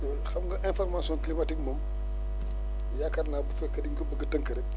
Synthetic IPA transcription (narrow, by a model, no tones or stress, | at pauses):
xɐmŋɡɐʔɛ̃nfɔɾmasɔ̃nklimatik̚mɐm | jakɐɾnaːbufɛkːɐdiŋkobəɡɐtɐŋkɐɾɛk̚